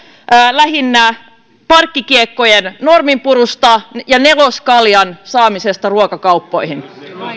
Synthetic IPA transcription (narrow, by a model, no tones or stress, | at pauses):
ʔːlæɦinːæ | pɑrkːikiekːo̞jenno̞rmimpuɾust̪ɑjɑne̞loskɑljɑnsɑːmise̞st̪ɑruokɑkɑwpːo̞jhin